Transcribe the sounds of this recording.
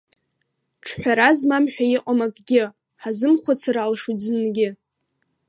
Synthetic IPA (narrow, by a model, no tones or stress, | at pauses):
ʈ͡ʂʰħʷᶣaɾazmamħᶣajɪqʼamakʼɡʲɪ | ħazɨmχʷat͡sʰaɾalʂuzɨnɡʲɪ